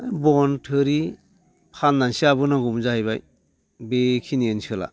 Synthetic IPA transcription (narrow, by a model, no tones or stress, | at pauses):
jbɔntʰɯɾi | pʰanːansiabɯnaɡumzahajβaj | bekʰiniensɯla̰